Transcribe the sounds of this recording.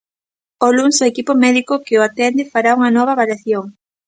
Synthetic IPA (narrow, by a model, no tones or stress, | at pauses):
olunsoekipomɛðikokeoat̪ɛnd̪efaɾauŋɐnɔβ̞ɐβaɾjaθjoŋ